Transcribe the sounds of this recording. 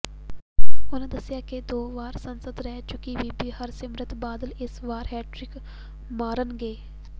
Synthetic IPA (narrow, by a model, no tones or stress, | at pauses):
ʊnẽd̪ɐsɪjaːked̪oːʋaːɾsɐnsəd̪ɾɛɦt͡ʃʊkibiːbihəɾsɪmɾət̪baːd̪əlɪsʋaːɾɦɛːʈɾɪk | maːɾənɡeː